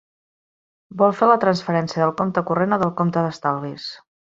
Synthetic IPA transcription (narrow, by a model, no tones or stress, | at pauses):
bɔlˠfelət̪ɾənsfəɾɛnsiəðəlˠkomt̪əkurenəðəlˠkomt̪əðəst̪alˠβis